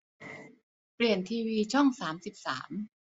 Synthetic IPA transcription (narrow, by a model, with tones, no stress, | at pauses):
pli˨˩ənt̪ʰiː˧wiː˧t͡ɕʰɔ˥˩ŋsaː˩˦msi˨˩p̚saː˩˦m